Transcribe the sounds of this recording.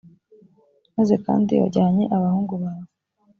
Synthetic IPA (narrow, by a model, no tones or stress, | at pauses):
maze̞ka̰ːndḭjo̰ɟaːɲe̞ʔaβahuːŋɡuβaβa